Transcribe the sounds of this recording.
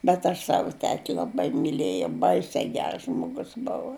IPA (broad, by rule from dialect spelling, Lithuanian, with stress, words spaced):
bʲɛt ˈɐʃ ˈsɑːʋʊ ˈtʲæːtʲɪ lˠɐˈbɐɪ mʲɪˈlʲeːjɛʊ ˈbɐɪsʲɛ ˈɡʲɛrs ˈʒmoːɡʊs ˈbʊʋʊ